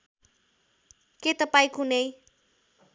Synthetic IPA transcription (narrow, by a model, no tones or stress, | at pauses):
ket̪ʌpaĩkʰunej